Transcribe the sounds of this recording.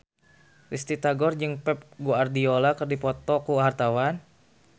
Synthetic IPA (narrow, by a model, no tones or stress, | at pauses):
rist̪it̪aɡɔrd͡ʒɨŋpɛp̚ɡuardiolakərdipɔt̪ɔkuɦart̪awan